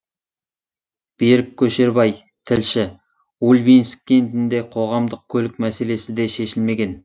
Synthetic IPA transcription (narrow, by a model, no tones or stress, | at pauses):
b̥eɾɪkʲʰːɵʃe̞ɾbɑj | t̪ʰɪlʃɪ | ulʲbinskʲːe̞nt̪ɪnd̪e̞qʰo̞ʁɑmd̪əq̚kʲʰɵlɪk̚mæse̞le̞sɪd̪e̞ʃe̞ʃɪlme̞ɡʲe̞n